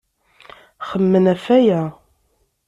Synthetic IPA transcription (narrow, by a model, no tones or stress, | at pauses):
χəmːənæfæjæ